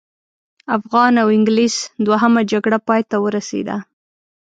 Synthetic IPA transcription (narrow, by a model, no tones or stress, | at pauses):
afɣɑnawɪŋɡlisd̪waɦamad͡ʒaɡɽapɑjt̪awəɾasḛd̪a̰